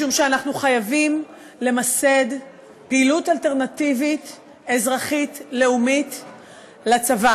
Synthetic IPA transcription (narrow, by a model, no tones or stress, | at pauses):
umʃeanaχnuχajavim | le̞mase̞d | peilutalte̞ʁnativit | e̞zʁaχitle̞umit | lat͡sava